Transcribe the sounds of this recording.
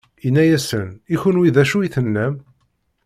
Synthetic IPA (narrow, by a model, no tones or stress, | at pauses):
inːæjæsəniçʊnwiðæʃujiθənːæm